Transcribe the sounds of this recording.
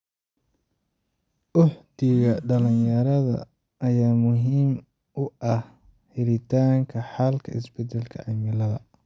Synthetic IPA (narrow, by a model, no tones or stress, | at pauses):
ʔʊħt̪ɪɣɐɖɐlɪnjɐɾɐðɐ̰ | ɐjaːmʊɦiːm | ʊɐh | hɪlɪt̪ʰaːŋkʰɐħɑlkʰɐ̰ɪ̰sbɛd̪ɛlkʰɐ̰ʕɪmɪlɐðɐ